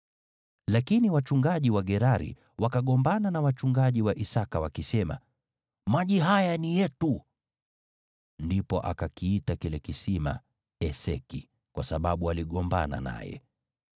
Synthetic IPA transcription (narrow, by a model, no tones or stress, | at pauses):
lakiniwat͡ʃuŋɡaʄiwaɠɛɾaɾḭ | wakaɠɔmbananawat͡ʃuŋɡaʄiwaʔisakawakisɛma̰ | maʄiɦajanijɛtu | ndipɔʔa̰kakiitakilɛkisima̰ | ɛsɛ̰kḭ | kwasaɓaɓualiɠɔmba̰na̰na̰jɛ̰